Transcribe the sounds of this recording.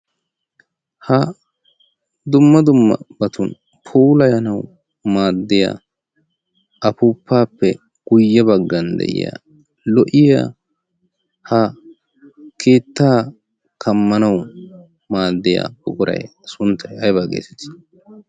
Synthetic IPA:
hɐ | d̪ʊmːɐd̪ʊmːɐ̰bɐt̪ʊn | pʰuːlɐjɐnɐw | maːd̪ːɪja̰ː | ʔɐpʊpʰːaːpːɛ | ɡ̥ʊjːɐbɐɡːɐnd̪ɛ̰ʔɪ̰ja̰ː | lɔʔɪja̰ː | hɐ | kʰeːt̪ːaː | kʰɐmːɐnɐw | maːd̪ːɪja̰ːbʊkʼʊɾɐ̰jsʊnt̪ːɐjɐjbaːɡḛːt̪ɛ̥t̪ː

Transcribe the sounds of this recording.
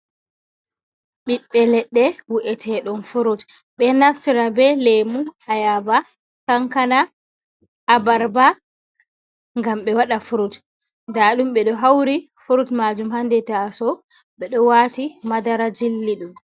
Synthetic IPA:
ɓiɓːɛlɛɗːɛwuʔɛtʰɛɗɔnfuɾut | ɓɛnaftiɾabɛlemuajaba | kaŋkana | ʔːbaɾba | ŋɡamɓɛwaɗafuɾut | ndaɗumɓɛɗɔɦawɾi | fuɾutmad͡ʒumhandɛtasɔ | ɓɛɗɔwaːtimadaɾad͡ʒilːiɗum

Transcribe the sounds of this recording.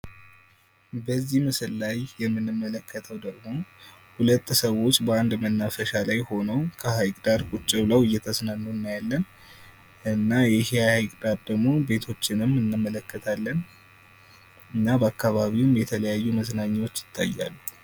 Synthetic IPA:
bəzːihmɨsɨllajːɛmːɨnɨmːələkʰːət̪ʰəwd̪əɡmo̞ | hulət̪ʼːsəwo̞t͡ʃːbəand̪mənːafəʃalajho̞nəwkʰəhajkʼd̪aɾkʼut͡ʃʼːɪwləwɨjːɛt̪ʰəsnanːuɨnːajalːən | ɨnːajɛhehajkʼd̪aɾd̪əɡmo̞be̞t̪ʰo̞t͡ʃːɪnɨmɨnːɨmːələkːət̪ʰalːən | ɨnːabəakːaβaβiwmjɛt̪ʰələjajːuməsnaɲːwo̞t͡ʃːjɪt̪ʰːa̰jːa̰lːu

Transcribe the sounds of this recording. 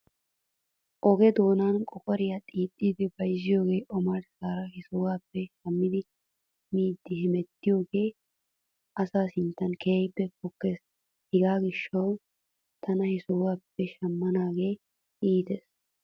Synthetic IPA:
ʔɔɡɛd̪o̞ːnaːnkʼɔkʼɔɾɪjat̪ʼiːtʼːiːd̪ɪbɐjzɪjo̞ːɡe̞ːʔɔmɐɾsaːɾɐɦɪsʊwaːpːɛʃɐmːɪd̪ɪ | miːd̪ːɪhɪmɛt̪ːɪjo̞ːɡe̞ː | ʔɐsaːsɪnt̪ːɐnkeːjbːɛpɔkːes | hɪɡaːɡɪʃːɐw | t̪ʰɐnɐhɪsʊwaːpːɛʃɐmːɐnaːɡe̞ː | iːt̪es

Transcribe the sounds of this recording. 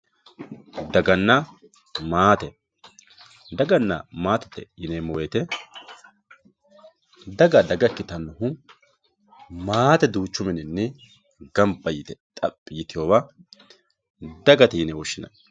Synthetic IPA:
d̪ɐɡɐnːɐ | maːt̪ɛ | d̪ɐɡɐnːɐ̰maːt̪ɐ̥t̪ːɛ̰jɪneːmɔweːt̪ɛ | d̪ɐɡɐd̪ɐɡɐkːɪt̪ɐnːʊhʊ | maːt̪ɛd̪uːt͡ʃːʊmɛnɪnːɛ | ɡɐmbɐjɪt̪ɛt̪ʼɐpʼːɪjɪt̪ɪjoːβɐ | d̪ɐɡɐt̪ɛjɪnɛwɔʃːɪnɐ̰

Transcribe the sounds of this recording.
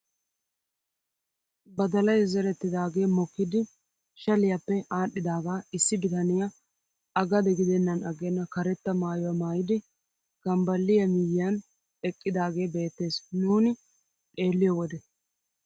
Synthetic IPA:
bɐd̪ɐlɐjzɛɾɛt̪ːɪd̪aːɡe̞ːmɔkːɪd̪ɪ | ʃɐlɪjapːɛaːɗːɪd̪aːɡaːɪsːɪbɪt̪ɐnɪjɐ | ɐɡɐd̪ɛɡɪd̪ɛnːɐnɐɡenːɐkɐɾɛt̪ːɐmaːjɔwamaːjɪd̪ɪ | ɡ̥ɐmbɐlːɪjɐmɪjɪjan | ɛkʼːɪd̪aːɡe̞ːbe̞ːt̪ːe̞ːsnuːnɪ | t̪ʼe̞ːlːɪjɔwɔd̪ɛ

